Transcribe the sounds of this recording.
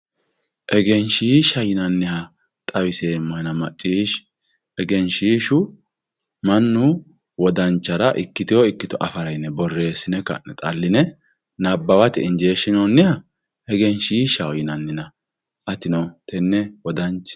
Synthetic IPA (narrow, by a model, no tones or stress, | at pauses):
ʔɛɡɛnʃiːʃɐjɪnɐnːɪhɐ | t̪ʼɐwɪseːmːɐhnɐmɐt͡ʃʼːiːʃ | ɛɡɛnʃiːʃʊ | mɐnːʊ | wɔd̪ɐnt͡ʃːɐɾɐʔɪkːɪt̪ɪjɔɪkːɪt̪ɔʔɐfɐɾɐjɪnːɛbɔrːe̞ːsɪnɛkːɐ̰nt̪ʼɐlːɪnɛ | nɐbːɐwɐt̪ɪɪnd͡ʒe̞ːʃɪnonːɪhɐ | ɛɡɛnʃiːʃɐjɪnɐnːɪnɐ | ʔɐt̪ɪnɔt̪ɛnːɛwɔd̪ɐnt͡ʃ